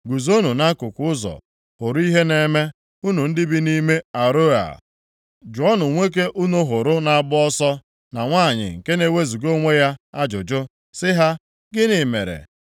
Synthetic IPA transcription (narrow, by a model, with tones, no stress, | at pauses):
ɡu˨zo˦nu˨na˦kʊ˨kʷʊ˦ʊ˦zɔ̰˨ | hʊ˨ɾʊ˦i˦ɦe˦ne˦me˦ | u˦nu˨n̩˦dɪ˦bi˦ni˦me˦a˨ɾo˦a̰˨ | d͡ʒʊ˨ɔ˦nʊ˨ŋʷe˦k̬e˦ʔu˦nu˦ɦʊ˨ɾʊ˦na˨bʊ˦ɔ˦sɔ˦ | na˨ŋʷaː˦˨ɲɪ̰˨ŋ̩˨ke˦ne˦we˦zu˨ɡo˦ŋʷe˦ja˦a˦d͡ʒʊ˨d͡ʒʊ˦ | sɪ˦ɦa˦ | ɡɪ˦nɪ˨mḛ˨ɾḛ˨